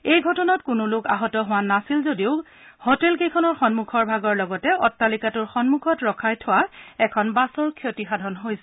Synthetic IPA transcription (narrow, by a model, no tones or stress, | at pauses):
ejɡʱɔtɔnɔtkʊnʊlʊkaɦɔtɔɦʊwanasilzodiʊ | hotɛlkejkʰɔnɔɹxɔnmukʰɔɹbʱaɡɔɹlɔɡɔtɛɔtːalikatʊɹxɔnmukʰɔtɹɔkʰajtʰɔwaɛkʰɔnbasɔɹkʰjotixadʱɔnɦojsɛ